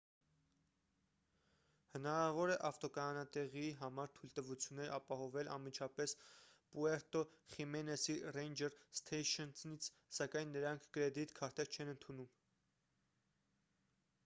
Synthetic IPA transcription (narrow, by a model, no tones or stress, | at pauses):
hənɑɾɑvɔɾɛʔɑft̪ɔkɑɑnɑt̪ɛʁiɦɑmɑɾt̪ʰujlt̪əvut͡sʰjunːɛɾʔɑpɑɦɔvɛlɑ̰nmit͡ʃʰɑpɛspuɛɾt̪ɔχimɛnɛsirɛjnd͡ʒɛɾst̪ʰɛjʃɔnnit͡sʰ | sɑkɑjnːəɾɑŋkʰkəɾɛd̪it̪kʰɑɾt̪ɛɾt͡ʃʰɛnənt̪ʰunum